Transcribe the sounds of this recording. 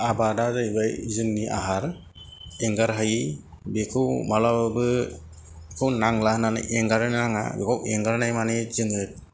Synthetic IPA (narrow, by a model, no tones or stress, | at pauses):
abadazajbajzɯŋniʔa̰ɦaɾ | ɛŋɡaɾɦaji | bekʰɯwmalabbɯ | kʰɯwnaŋlahnana̰ʔɛŋɡaɾɯnnaŋa̰bekʰawɛŋɡaɾnajmanezɯŋɯt̚